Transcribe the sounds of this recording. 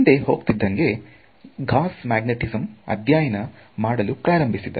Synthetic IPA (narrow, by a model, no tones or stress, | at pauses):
ind̪eɦo̞ːɡt̪id̪ːɐŋɡe̞ | ɡʱaːsmaːɡneʈizɐmɐ̰d̪ʱjaːjɐnɐ | maːɽɐlupɾaːɾɐmbʱisid̪ɐ̰